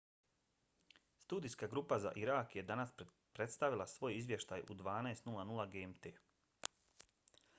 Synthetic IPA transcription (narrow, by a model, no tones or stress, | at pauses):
st̪uːd̪ijskaɡɾuːpaza̰ʔiɾakjed̪anas | pɾe̞t̪st̪aʋilˠasʋo̞jizʋje̞ʃt̪aːjʔṵd̪ʋaːnaest̪nulˠanulˠaɡemt̪eː